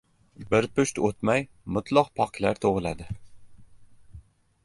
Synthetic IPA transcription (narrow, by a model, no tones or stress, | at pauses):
bɪɾpʊʃt̪ot̪maj | mʊt̪ʰlˠɒqpʰɒkʰlaɾt̪ʰoʁɨlad̪ɪ